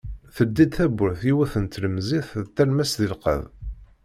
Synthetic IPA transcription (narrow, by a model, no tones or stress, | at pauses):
θəd̪ːid̪θæbʊɾθiwæθənt̪ləmziθt̪ːælmæsðilqə̰ð